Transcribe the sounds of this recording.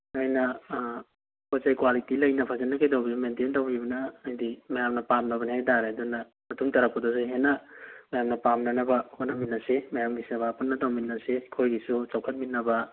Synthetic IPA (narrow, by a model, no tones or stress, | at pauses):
ojnɐ | kozajkwalitilɐjnɐpʰazanːɐkajdawbiumententawibɐnɐːjdimɐjamnɐpamnɐβɐnihajdaɾeɐdunɐ | mɐtuŋtɐɾɐp̚pːɐdoseɦenɐmɐjamnɐpamnɐnɐbɐkʰonɐminːɐsemɐjamɡisɐbapunːɐdawminːɐsekʰojɡisut͡ʃɐwkʰɐt̚mit̚nɐbɐ